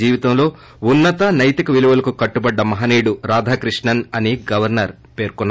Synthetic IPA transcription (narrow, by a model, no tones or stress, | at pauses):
d͡ʒiːʋit̪ɐmlo̞ː | unːɐt̪ɐnɐjt̪ikɐʋiluʋɐlɐkukɐʈːubɐɖːɐmɐɦaːniːɽuɾaːd̪ʱaːkɾiʂɳɐnɐniɡɐʋɐɾnɐɾ | pe̞ːɾkɔnː